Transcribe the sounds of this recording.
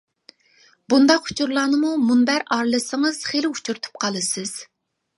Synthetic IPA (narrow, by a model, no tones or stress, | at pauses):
bund̪ɑqhu̥t͡ʃʰuɾlˠɑːnɨmumunbæɾɑɾlˠɨsəŋəz̥χelɪut͡ʃʰuɾt̪ʰu̥p̚qʰɑlˠɨsɨz̥